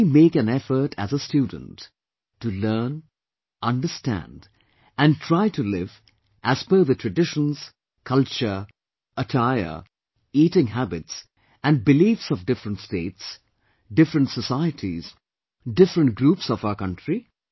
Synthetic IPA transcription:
imeːkæ̃nɛfə˞ʈʰæzəstjuːdⁿə̃n̩tː | ulɜːn | ʔʌ̃ndəstæ̰̃nd | æ̃ntʰɹ̥aɪtulɪv | ʔæz̥pəðətʰɹɨdɪʃə̃nz̥ | kʰʌlt͡ʃə˞ | ətʰaɪə̰˞ | iːtɪ̃ŋɦæbɪts | æ̃n̚bɪliːfsɔvdɪfɾə̃ntsteːts | dɪfɾə̃ntsəsaɪətʰiz̥ | dɪfɾə̃nt̚ɡɾuːpsɔvaʊə˞kʰʌ̃ntɹi

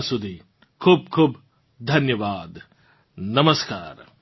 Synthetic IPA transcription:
sud̪ʱi | kʰuːb̚kʰuːb | d̪ʱɐnjɐʋaːd̪ | nɐməska̰ːɾ

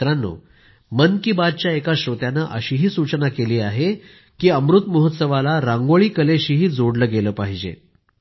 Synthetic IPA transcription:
ɾanːo̰ | mənkibad̪̚t͡ɕjaekaɕɾot̪janːaʔəɕiːɦiːsut͡ɕnakeliːaɦe | kiːəmɾut̪məɦət̪səʋalaɾãŋɡəɭiːkəleɕiːɦiːd͡zoɽləːɡeləːpaɦid͡ʑḛ

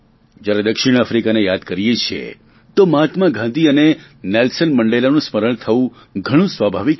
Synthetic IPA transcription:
d͡ʒjaɾed̪əkʃɪɽ̃afɾikanejad̪kəɾijet͡ʃʰḛ | t̪omt̪mãɡʱãnd̪ʱiəne | nelsənməɳɖelanũsməɾəɳ̃t̪ʰəʋũ | ɡʱəɽ̃ũsʋabʱaʋik

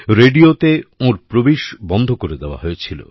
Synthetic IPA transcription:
ɾeɖiot̪eõɾpɾobiʃbɔnd̪ʱokoɾed̪eoa̰ɦoet͡ɕʰilo̰

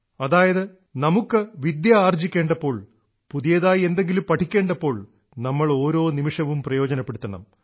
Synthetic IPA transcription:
ɐðaːjɐðɨ | nɐmukːɨʋid̪jaaːrd͡ʑikʲːeːɳɖɐpːo̞ːɭ | puðijɐðaːje̞nd̪e̞ŋɡilumpɐʈʰikʲːe̞ːɳɖɐpːo̞ːɭ | nɐmːɐɭo̞ːɾo̞ːnimiʂɐʋumprɐjo̞ːd͡ʑɐnɐpːe̞ɽut̪ːɐɳɐ̰m

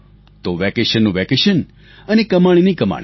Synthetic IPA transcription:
t̪oʋɛkeʃənːũʋɛkeʃən | ənekəmaɽ̃inikəma̰ɳ̃i

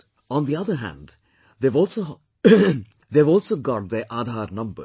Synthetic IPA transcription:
ɔ̃nd̪iʌðəɾɦæ̰̃nɖ | d̪eːʋɔːlso | d̪eːʋɔːlˠsoːɡɔʈ̚d̪eɾʔaːd̪ʱaːɾnʌ̃mbə̰

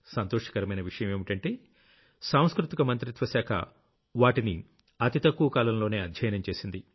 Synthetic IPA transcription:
sɐnt̪oːʂɐ̥kɐɾɐmɐjnɐʋiʂɐjɐme̞ːmiʈɐɳʈeː | saːw̃skɾut̪ikɐmɐnt̪ɾit̪ʋɐsaːkʰɐ̰ | ʋaːʈini | ɐt̪it̪ɐkːuʋɐkaːlɐmlo̞ːne̞ːɐd̪ʱjɐjɐnɐmt͡ʃe̞ːsind̪i

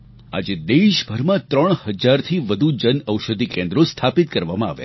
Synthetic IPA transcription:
a̰d͡ʒed̪eʃbʱəɾmãt̪ɾəɳ̃həd͡ʒaɾt̪ʰiʋəd̪ʱud͡ʒənəwʃəd̪ʱikẽnd̪ɾost̪ʰapit̪kəɾʋamãa̰ʋja̰

